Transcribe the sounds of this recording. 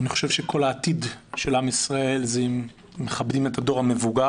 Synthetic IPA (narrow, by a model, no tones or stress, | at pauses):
niχoʃe̞vʃe̞kʰo̞laːtidʃe̞lamisʁae̞lzemː | e̞χabdime̞thado̞ʁame̞vuɡa